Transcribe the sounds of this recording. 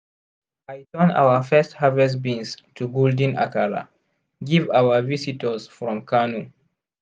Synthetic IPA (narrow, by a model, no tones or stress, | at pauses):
ajtə̃na̰wəfɛsthavɛsbĩnstʰuɡɔldĩna̰kaɹa̰ | ɡivawəvisitʰəzfɹɔ̃mkʰanu